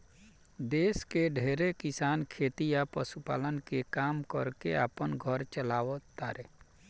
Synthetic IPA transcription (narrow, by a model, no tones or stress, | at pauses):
d̪eːskeɖʱeːɾekisaːnkʰeːt̪ijapəsupa̰ːlənkekaːmkəɾkea̰ːpənɡʱɔɾt͡ʃəlaːwət̪ːaɾe